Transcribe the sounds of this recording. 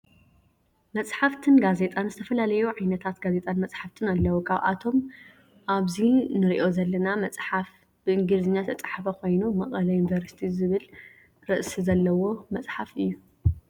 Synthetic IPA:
mɐt͡sʼħaft̪ʰɨnɡaze̞t̪ʼanzɨt̪ʰɐfɐlalɐjuʕajnɐt̪ʰat̪ɡaze̞t̪ʼanmɐt͡sʼħaft̪ʰɨnalːɐwokʰaβʔa̰t̪ʰo̞m | ʔaβzinɨɾiʔo̞zɐlːɐnamɐt͡sʼħaf | b̥ɨʔɨŋɡlɨzɨnːat̪ʰɐt͡sʼħfɐko̞jnumɐχʼɐlɐjunvɐɾst̪ʰizɨβɨl | ɾɨʔsizɐlːɐwo̞mɐt͡sʼħafɨjːu

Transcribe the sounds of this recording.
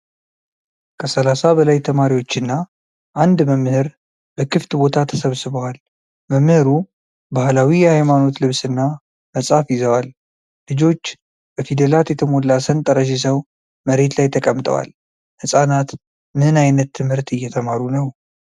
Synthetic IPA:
kʰəsəlasabəlajt̪ʰəmaɾiwo̞t͡ʃːɪnːa | ʔand̪məmːɨhɨɾ | bəkʰɨft̪bo̞t̪ʰat̪ʰəsəβsɨβəwal | məmːɨhɨɾu | bahlawijɛhajmano̞t̪lɨβsɨnːa | məsʼafjɪzəwal | lɨd͡ʒo̞t͡ʃː | bəfid̪əlat̪jɛt̪ʰəmo̞lːasənt̪ʼəɾəʃ̬is̬əw | məɾe̞t̪lajt̪ʰəkʼəmt̪ʼə̰wa̰l | hɨsʼanat̪ | mɨnajnət̪ʰːɨmhɨɾt̪ɨjːɛt̪ʰəmaɾunəw

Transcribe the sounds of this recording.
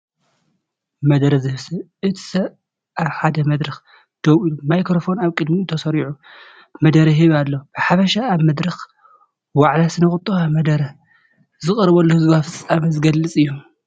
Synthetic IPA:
mɐd̪ɐɾɐzɨhɨsɐβʔɨt̪ʰi̥sɐβ | ʔaβħad̪ɐmɐd̪ɾɐx | d̪̥ɐwijumajkɾofo̞naβkʼɨd̪mint̪ʰɐsɐɾiʕu | mɐd̪ɐɾɐɦiβalːob̥ɨħafɐʃaːβmɐd̪ɾɐx | waʕlasɨnɐxʼɨt̪ʼːuxamɐd̪ɐɾɐ | zɨχʼɐɾβɐlːohɨzbafɨt͡sʼːamɐzɨɡɐlːɨt͡sʼɨjːu

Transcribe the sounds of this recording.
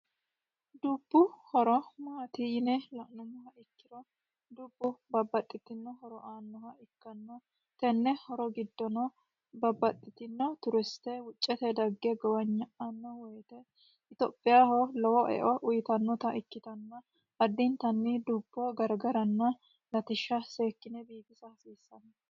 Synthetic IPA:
d̪ub̥ːʊhɔɾɔmaːt̪iːnɛlɐʔnʊnːɔɦɐɪkːɪɾɔ | d̪ubːʊbɐbːɐt̪ʼːɪt̪ːɪnːɔɦɔɾɔʔaːnːɔhɐɪkːɐnːɔ | t̪ɛnːɛhɔɾɔɡɪd̪ːɔnɔ | bɐbːɐt̪ʼːɪt̪ɪnːɔt̪ʊɾɛst̪ɛwʊt͡ʃʼːɛt̪ɛd̪ɐɡːɛɡɔwɐɲːɐʔɐnːɔwɔjt̪ɛ | ɪt̪opʼːɪjaːholɔwɔʔɛ̰ʔɔʔʊjɪt̪ɐnːɔt̪ɐʔɪkːɪt̪ɐnːɐ | ɐd̪ːɪnt̪ɐnːɪd̪ʊbːɔɡɐɾɡɐɾɐnːɐ | lɐt̪ɪʃːɐseːkːɪnɛbiːɡɪsɐhɐsiːsːɐnːɐ

